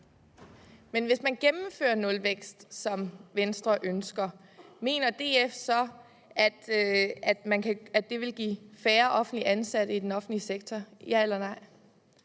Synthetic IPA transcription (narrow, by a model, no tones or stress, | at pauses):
menʋe̝smænɡ̥emm̩fø̰ːɐnɔ̽lʋeɡ̥sd̥sɒ̽mʋensd̥ʁɐʔønsɡ̥ɐ | me̝̰ːnɐd̥e̝̰ːefsɒ̽ | æd̥æd̥mænkʰææd̥ːe̝ʋe̝lɡ̥ḭːfæːɐʔɒ̽fn̩liʔænsæɾ̥əid̥enɒ̽fn̩dliseɡ̥̚t͡sʰɒjæelɐnɑ̈ɪ̰